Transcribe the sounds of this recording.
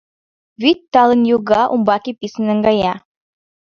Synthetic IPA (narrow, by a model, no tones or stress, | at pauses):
βit̪ːɑlənjuɡɑʔumbɑkipisə̆nə̆ŋɡɑjɑ